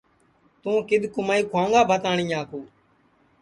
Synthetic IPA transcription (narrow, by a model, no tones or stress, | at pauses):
t̪ũːkɪd̪ʱkʊmaːiːkʰʊwãːŋɡaːbʱət̪ãːɳĩːaːkoː